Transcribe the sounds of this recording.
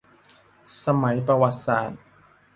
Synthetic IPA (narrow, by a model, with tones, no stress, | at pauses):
sa˧ma˩˦jpɾa˧wa˨˩t̪̚saː˨˩t̪̚